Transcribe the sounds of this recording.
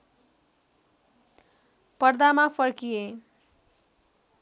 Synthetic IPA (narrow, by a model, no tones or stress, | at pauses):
pʌrd̪amapʰʌɾkije